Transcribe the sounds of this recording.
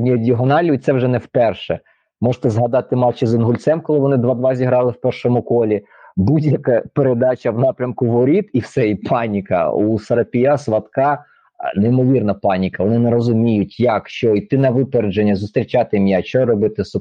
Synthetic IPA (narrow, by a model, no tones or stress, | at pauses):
nʲiɔdʲiɔɦɔnɑlʲijʊt̪sɛwʒɛnɛwpɛrʃɛ | mɔʒt̪ɛzɦɐd̪ɑt̪ɪmɑlʲt͡ʃɪzɪnɦʊlʲt̪sɛmkɔlˠɪʋɔnɪd̪ʋɑd̪ʋɑzʲiɦɾɑlˠɪwpɛrʃɔmʊkɔlʲi | budʲjɐkɐpeɾed̪ɑt͡ʃʲɐwnɑpɾʲɐmkʊʋɔɾʲit̪iwsɛipʰɑnʲikɐ̰usɐɾɐpʲijɑsʋɐt̪kɑ | nɛimɔʋʲirnɐpɑnʲikɐʋɔnɪnɛɾɔzʊmʲijʊtʲjɐkʃt͡ʃɔit̪ɪnɐʋɪpeɾed͡ʒenʲːɐzʊst̪ɾʲit͡ʃɑt̪ɪmʲjat͡ʃɔrɔbɪt̪ɪsɔ